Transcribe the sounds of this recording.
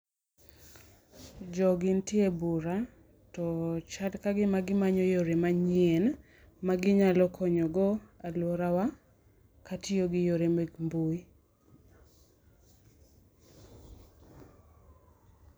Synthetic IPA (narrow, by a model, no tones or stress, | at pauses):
d͡ʒɔɡɪntɪebuɾa | tɔt͡ʃadkaɡɪmaɡɪmaɲojoɾemaɲɪen | maɡɪɲalɔkʰɔɲɔɡɔalwɔɾawa | katijoɡɪjoɾemeɡmbui